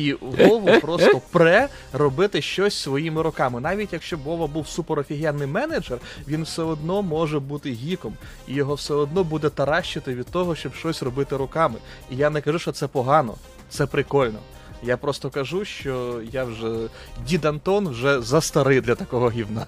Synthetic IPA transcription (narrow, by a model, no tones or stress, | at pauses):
iɦɔʋʊpɾɔst̪ɔpɾɛ | rɔbɪt̪ɪʃt͡ʃɔsʲsʋɔjimɪɾʊkɑmɪnɑʋʲitʲjɐkʃt͡ʃɔbɔʋɐbuwsupeɾɐfʲiɦʲiɛnːɪjmɛned͡ʒɛr | ʋʲinwsɛɔd̪nɔmɔʒɛbut̪ɪɦʲikɔm | ijɔɦɔwsɛɔd̪nɔbud̪ɛt̪ɐɾɑʃt͡ʃɪt̪ɪʋʲid̪̥̚t̪ɔɦɔʃt͡ʃɔbʃt͡ʃɔsʲrɔbɪt̪ɪɾʊkɑmɪ | ijanɛkɐʒuʃt͡ʃɔt̪sɛpɔɦɑnɔ̰ | t̪sɛpɾɪkɔlʲnɔ̰ | japɾɔst̪ɔkɐʒuʃt͡ʃɔjawʒɛ | dʲid̪ɐnt̪ɔnwʒɛzɐst̪ɐɾɪd̪lʲɐt̪ɐkɔɦɔɦʲiwnɑ